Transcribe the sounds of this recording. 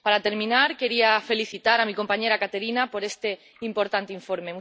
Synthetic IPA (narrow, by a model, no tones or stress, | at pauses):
paɾat̪eɾmĩnaɾkeɾiafeliθit̪aɾamiko̞mpaɲeɾakat̪eɾinapoɾest̪e | impoɾt̪ant̪eiɱfoɾmemu